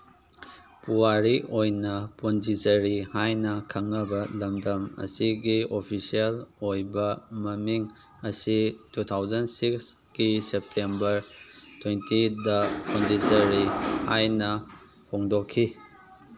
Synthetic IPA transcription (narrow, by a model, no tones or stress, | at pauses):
puwaɾiʔojnɐpondizɐɾihajnɐkʰɐŋːɐbɐlɐmdɐmɐ̰siɡiopʰisiɐlojbɐmɐmiŋ | ɐsitutʰawzɐnsiks | kisep̚tʰembɐɾtwentʰidɐpondizɐɾihajnɐ | pʰoŋdokʰːi